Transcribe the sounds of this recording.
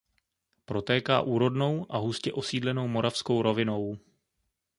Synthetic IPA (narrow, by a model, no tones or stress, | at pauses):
pɾo̞t̪ɛːka̰ːʔuːɾo̞dno̞wʔaɦuscɛʔo̞siːdlɛno̞wmo̞ɾʔafsko̞wɾo̞vɪno̞w